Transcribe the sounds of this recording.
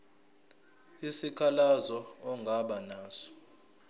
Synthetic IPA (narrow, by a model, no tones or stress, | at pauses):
isikʰalazɔɔŋɡʱaɓanaːsɔ̥